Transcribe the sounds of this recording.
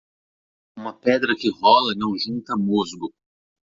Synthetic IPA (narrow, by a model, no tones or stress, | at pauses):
ũmɐpɛd̪ɾɐkɪɦɔlɐnɐ̃w̃ʒũnt̪ɐmozɡʊ